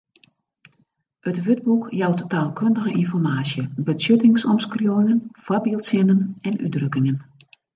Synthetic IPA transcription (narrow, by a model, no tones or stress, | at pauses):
ətʋød̚bukjawttaːlˠkʰøndəɣəʔinfɔrmaːsjəbəsøtɪŋsɔmskrjoŋənfɔbilˠsɪnənɛnʔy̰drøkɪŋən